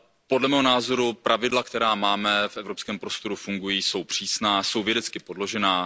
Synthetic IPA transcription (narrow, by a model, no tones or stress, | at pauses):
podlɛmɛːɦo̞naːzo̞ɾupɾʔavɪdlakt̪ɛɾaːmaːmɛfʔɛvɾopskɛːmpɾo̞st̪o̞ɾufuŋɡujiːso̞wpr̝̥iːsnaːso̞wvjɛdɛt͡skɪpo̞dlo̞ʒɛnaː